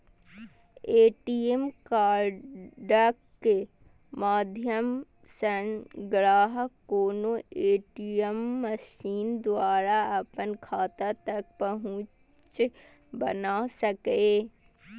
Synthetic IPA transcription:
eːʈiemkaːɾɖakː | e | maːd̪ʱjəm | sənɡɾaːɦəkoːnoeːʈiəmːəʃiːnd̪waːɾaɐpənkʰaːt̪at̪ɐk̚pɐɦʊ̃ | t͡ʃ | bɐ̰nasəkeː

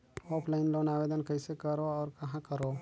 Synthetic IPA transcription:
oːpʰlaɪnloːnaːʋeːd̪ənkɐɪsekɐɾoɔːɾkɐɦãkɐɾoː

